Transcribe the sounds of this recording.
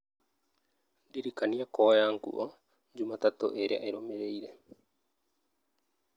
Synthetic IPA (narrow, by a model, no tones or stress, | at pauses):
diɾikaniakoːjaŋkṵʔo | d͡ʒumat̪at̪o̰ʔeɾea̰eɾomeɾejɾe